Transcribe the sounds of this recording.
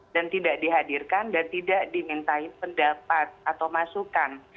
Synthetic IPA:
d̥ant̪idaʔdiɦadirkandant̪idaʔdimint̪aɪpəndapat̪̚at̪awmasukan

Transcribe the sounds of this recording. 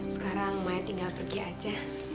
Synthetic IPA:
sə̥kaɾaŋmaɛt̪iŋɡalpərɡiad͡ʒa

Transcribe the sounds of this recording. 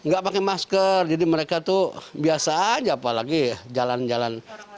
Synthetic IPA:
ŋɡaʔpakemaskərd͡ʒadiməɾekat̪ubiasad͡ʒaːpalaɡid͡ʒaland͡ʒalan

